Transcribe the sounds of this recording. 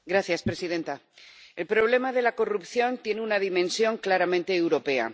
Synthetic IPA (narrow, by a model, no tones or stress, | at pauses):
ɡɾaθjaspɾe̞siðe̞nt̪a | e̞lpɾo̞β̞le̞maðe̞lako̞rupθjo̞nt̪je̞neunaðimẽ̞nsjo̞ŋklaɾamẽnt̪e̞ːwɾo̞pe̞a̰